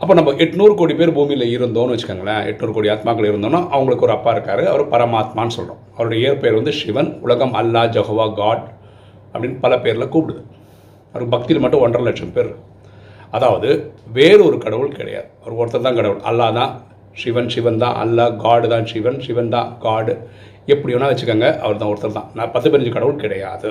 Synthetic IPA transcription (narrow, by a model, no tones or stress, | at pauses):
ɐpːoːnɐmbɐʔɛʈːnuːɾɯkoːɽipeːɾbuːmiɪlɐɪɾɯnd̪oːnɯʋɐt͡ʃːɯ̥kːaːŋɡɐɭːɐɛ̰ʈːnuːɾɯkoːɽiaːt̪maːkːɐɭɐɪɾɯnd̪oːnːaːʔɐʋɐŋɡɐɭɯkːɔɾɯɐpːaːɪɾɯkːaːɾɯɐ̰ʋɐɾɯpɐɾɐmaːt̪maːnːɯsɔlːɐɾõ̰ːɐʋɐɾɔɽɐjɐeːɐɾpeːɾʋɐnd̪ɯʂɪʋɐnʊlɐɣɐmɐlːaːd͡ʒɛɦoːʋaːɡaːɽ | ɐpːɐɽɪnːɯpɐlɐpeːɾɪlɐkuːpɪɽɯðɯ | ɐʋɐɾɯkːbɐk̚t̪ijɪlmɐʈːʊ̃ɔɳɖrɐlɛʈʂɐmpeːɾɾɯkː | ɐðaːʋɐðɯʋeːɾɯɔɾɯkɐɽɐʋɯɭkɪ̰ɽɐ̰ja̰ːðɯɐʋɐɾɯɔɾɯt̪ːɐlt̪ãːkɐɽɐʋɯɭʔɐ̰lːaːt̪ãː | ʂɪʋɐnʂɪʋɐnt̪ã̰ːʔɐ̰lːaːɡaːɽɯt̪ãːʂɪʋɐnʂɪʋɐnt̪ã̰ːɡaːɽɯ | ɛpːɐɽɪjoːnːaːʋɐt͡ʃːɾɯkːaːŋɡɐʔɐ̰ʋɐɾt̪ãːɔɾɯt̪ːɐlt̪ã̰ːnɐpɐt̪ːɯpɪnːɲd͡ʒɯkɐɽɐʋɯɭkɪɽɐja̰ːðɯ